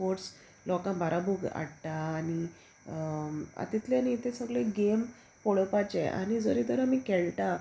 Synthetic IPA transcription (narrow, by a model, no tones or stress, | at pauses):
oɾs | lɔkãmbʱaɾʔabʱuɡa̰ɽt̪aːni | a̰t̪it̪lenit̪ʰẽsəɡɭeɡem | poɭpat͡ɕeʔa̰ñid͡zəɾid̪əɾamikɛɭt̪a